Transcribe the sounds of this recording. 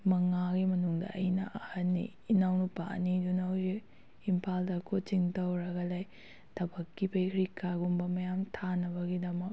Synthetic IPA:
mɐŋaɡimɐnuŋdɐ̰ʔɐjnɐ̰ʔɐhɐnːḭːnawnupa̰nidunɐwd͡ʒi | impʰaldɐkʰot͡ʃiŋtɐwɾɐɡɐlaj | tʰɐbɐkːipɐjkʰɾikːaɡumbɐmɐjamtʰanɐbɐɡidɐmɐk̚

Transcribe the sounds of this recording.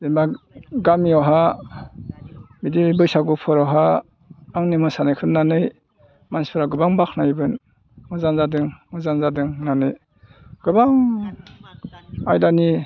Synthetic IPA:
demba | ɡamiawɦa | midibɯjsaɡupʰɔɾawɦaː | ŋnimɯsanɯkʰɯnːanɯj | manspʰɾaɡɯbaŋbakʰnajbɯn | mɯzanzadɯŋmɯzanzadɯŋnanɯj | ɡ̥ɯbaŋ | ajdani

